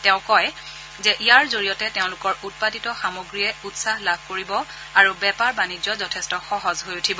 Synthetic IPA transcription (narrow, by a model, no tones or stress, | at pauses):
tɛʊ̃kɔj | zɛʔijaɹzoɹijɔtɛteʊ̃lʊkɔɹut̚paditɔxamoɡɹiɛutsaɦlabʱkoɹibɔ | aɹubɛpaɹbanid͡ʒɔzɔtʰɛstɔxɔɦɔzɦojutʰibɔ